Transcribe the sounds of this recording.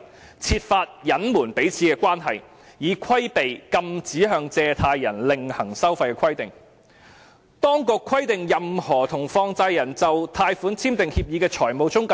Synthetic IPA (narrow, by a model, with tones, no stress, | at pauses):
t͡sʰiː˧t̚faː˧t̚jɐ˨˥nmuː˨˩npe˨˥jt͡sʰiː˨˧˥kɛː˧kwaː˥nɦɐ˨j | jiː˨˧kʰɐ˥jpe˨jkɐ˧mt͡siː˨˥ɦœː˧ŋt͡sɛː˧t̪ʰaː˧jːɐ˨˩nlɪ˨ŋhɐ˨˩ŋsɐ˥wfɐ˧jkɛː˧kʰɐ˥jt̪ɪ˨ŋ | t̪ɔː˥ŋkʊ˧kʰːɐ˥jt̪ɪ˨ŋjɐ˨mhɔː˨˩t̪ʰʊ˨˩ŋfɔː˧ŋt͡saː˧jjɐ˨˩nt͡sɐ˨wt̪ʰaː˧jfuː˨˥nt͡sʰiː˥mt̪ɪ˨ŋhiː˧p̚jiː˨˧kɛː˧t͡ʃʰɔː˨˩jmo˨wt͡sʊ˥ŋka